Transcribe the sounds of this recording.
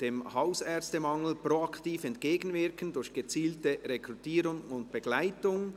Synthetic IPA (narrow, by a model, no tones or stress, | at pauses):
d̥eːmhaʊsɛɐt͡stəmɑŋl̩proɑktiːfɛntkeːɡn̩vɪɐkən̩dʊɾçɡ̥ət͡siːltəʁekʁutiːɾʊŋʊnt̚b̥əɡ̥laɪtʊŋ